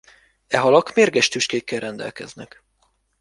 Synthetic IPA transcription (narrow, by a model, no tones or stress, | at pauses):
ɛɦɒlɒkmeːrɡɛʃt̪yʃkeːkːɛlrɛnd̪ɛ̰lkɛ̰znɛk